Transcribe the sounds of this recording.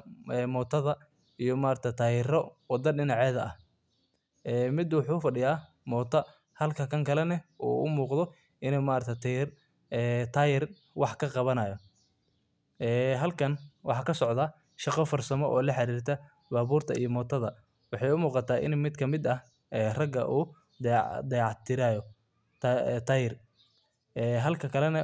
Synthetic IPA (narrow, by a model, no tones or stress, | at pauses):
ɛːmɔːt̪ʰɐðɐ | ijɔmaːɾt̪ʰɐt̪ʰaːjɪrɔwɑd̪ɐɖɪnɑʕɛːðɐʔɐh | ɛːmɪd̪wʊħuːfɐɖɪjaː | mɔːt̪ʰɐ | hɐlkʰɐkʰɐŋkʰɐlɛnɛʔṵːʊ̰muːqd̪ɔ | ʔɪnɛmaːɾt̪ʰɐt̪r | ɛt̪ʰaːjɪr | wɑħkʰɐqɑβɐnɐjɔ | ʔɛːɦɐlkʰɐnwɑ̰ħɑːkʰɐsɔʕd̪ɐ | ʃɑqɔfɐrsɐmɔʔɔːlɐħɑɾiːrt̪ʰɐ | baːβuːrt̪ʰɐijɔmɔːt̪ʰɐðɐ | wɑħɑjʊmuːqɑt̪ʰaːʔɪ̰nmɪd̪kʰɐmɪd̪ɐ | ɛːrɐɡɐ̰ʔuː | d̪ɛʕd̪ɛʕɑt̪ʰɪɾaːjɔ | t̪ːt̪ʰɐjɪr | ɛːɦɐlkʰɐkʰɐlɛnɐ